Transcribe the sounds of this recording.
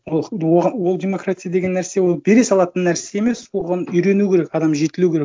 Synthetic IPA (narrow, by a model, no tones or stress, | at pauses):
wolˠwoʁɑnwo̞lˠdʲe̞mo̞kɾat̪ʲijad̪e̞ɡʲe̞nːæɾsewolˠbe̞ɾe̞sɑlˠɑt̪ənːæɾse̞e̞me̞soʁɑnʏjɾe̞nukʲʰe̞ɾekɑd̪ɑmʒe̞t̪ɪlukʲeɾe